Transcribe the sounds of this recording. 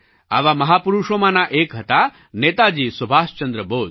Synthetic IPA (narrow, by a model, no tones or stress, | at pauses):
a̰ʋamɐɦaːpuɾuʂomanaʔeːkɦɐt̪a | neːt̪ad͡ʑiːsubʱaːst͡ʃɐnd̪ɾəboːd̪